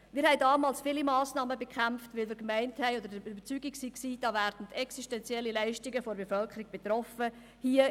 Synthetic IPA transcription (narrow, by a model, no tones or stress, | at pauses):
miːɾhɛɪdɑːmɑːlsfiːlimɑːsnɑːməbekχæmftʋɪlmiːɾkmæɪnthɛɪod̪əɾdəybəɾt͡syɡiksiksiːd̥ɑvæːɾd̥n̩tɛksiʃtɛnt͡sjɛlːilæɪʃtiɡəfoɾbefœlkʰəɾiɡ̚b̥et̪ɾɔfə | hiə